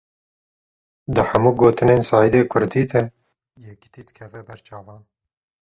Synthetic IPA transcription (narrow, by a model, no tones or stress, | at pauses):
d̪ɨħæmuːɡoːt̪ɨneːnsɑːjɨd̪eːkʰʊɾd̪iːd̪ɛ | jɛki̥t̪iːd̪ɨkʰɛvɛbɛɾt͡ʃɑːvɑːn